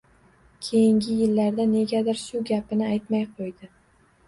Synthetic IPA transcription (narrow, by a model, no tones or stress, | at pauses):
kʲʰe̞jɪŋɡʲɪjɪlːaɾd̪ane̞ɡʲad̪ɪɾʃʊɡʲapɪnɪajt̪majqʰojd̪ɪ